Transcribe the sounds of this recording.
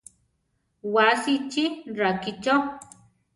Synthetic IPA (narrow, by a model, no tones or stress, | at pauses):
wasit͡ʃirakit͡ʃo